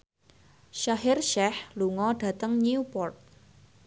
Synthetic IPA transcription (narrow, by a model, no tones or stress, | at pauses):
ʃaɦɪrʃɛhluŋɔɖ̥ä̤t̪əŋniupɔrt̪̚